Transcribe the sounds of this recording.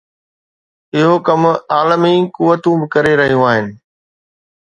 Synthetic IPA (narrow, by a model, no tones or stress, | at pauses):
ɪɦokɐmaːləmikʊʋət̪ũbɪkɐɾeɾɐɦijũaːɦɪnɪ̆